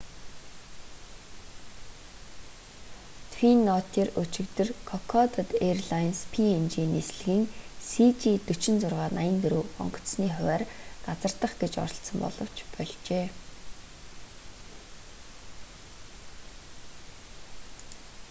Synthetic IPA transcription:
t̪ʰwinːɔt̪ʰiːrɵt͡ɕɪ̆kt̪ɘ̆rkʰɔkʰɔt̪ət̪erɮajnspʰient͡ɕiːnesɮɘ̆ɣiːŋsit͡ɕit̪ɵt͡ɕɪ̆nt͡sʊrʁaːnajɪ̆nt̪ɵɾoːɔ̰ŋɢɞ̥̆t̪sniːχʊwæːrɢat͡sə̆r̥t̪ə̆χɡet͡ɕɔ̰ɾɞ̆ɬsə̆mpɔ̰ɮɞ̆w̥t͡ɕpɔɮt͡ɕeː

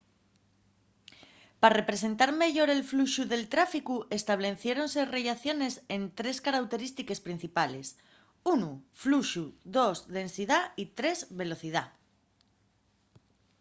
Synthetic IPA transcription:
pare̞pɾe̞se̞nt̪aɾme̞ʝo̞ɾe̞lfluʃuðe̞lt̪ɾafikuʔe̞st̪aβ̞le̞θje̞ɾo̞nse̞re̞ʝaθjo̞ne̞se̞nt̪ɾe̞skaɾawt̪e̞ɾist̪ike̞spɾin̟θipale̞s | unufluʃuðo̞zðe̞nsiðait̪ɾe̞zβe̞lo̞θið̞a

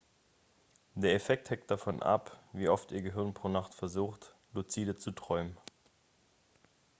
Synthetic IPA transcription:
d̥eːɐefɛk̚thɛŋt̚d̥afɔnʔa̰pviːʔɔftʔiːɐɡəɦɪɐnpʁ̥oːnaχtfɛɐzuːxt | lut͡siːdət͡sutʁ̥ɔʏmən

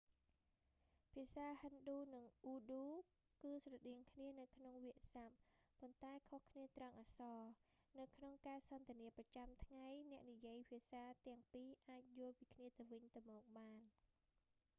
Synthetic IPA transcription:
pʰiəsaːhənɗuːnɨŋʔuːɗuː | kɨːsrɑɗiəŋkʰniənɨwkʰnoŋʋiəʔsapːont̪aɛkʰohkʰniət̪raŋʔaːsɑːnɨwkʰnoŋkaːsɑnt̪iəniəprɑt͡ɕamt̪ʰŋajnɛ̆əʔnijiəjpʰiəsaːt̪ɛ̆əŋpiːʔaːc̚jʊ̆əlpiːkʰniət̪ɨwʋɨɲt̪ɨwmɔːk̚ɓaːn

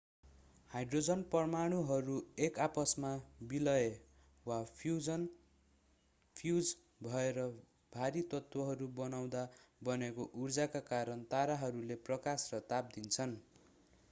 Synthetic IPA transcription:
hajɖrod͡zʌnpʌrmaɽ̃uɦʌɾuekapʌsmabilʌe | wapuʌn | pʰjud͡z | bʱʌeɾʌ | bʱaɾit̪ʌt̪wʌɦʌɾubʌnaw̃d̪abʌnekoʔurd͡zakakaɾʌnt̪aɾaɦʌɾuleprʌkasrʌt̪ap̚d̪int͡sʰʌn

